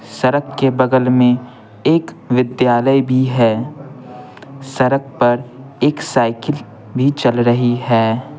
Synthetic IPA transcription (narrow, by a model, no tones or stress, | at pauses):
sɐɾəkkebɐɡəlmẽ | eːk | ʋɪd̪jaːləibʱiɦɛː | sɐɾək̚pɐɾeːksaːɪkəl | bʱit͡ʃɐlɾəɦiɦɛː